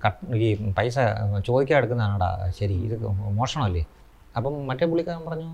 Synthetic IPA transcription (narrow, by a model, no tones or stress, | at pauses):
kɐʈipɐjs̬ɐt͡ɕo̞ːd̪ikʲːaːmeɽukːunːɐðaːɳɐːɳɖa̰ɕɐɾiːðɨmoːʂɐɳɐmɐlːi | ɐpːɐmmɐtːepuɭːikʲːaːɾɐmpɐrɐɲːu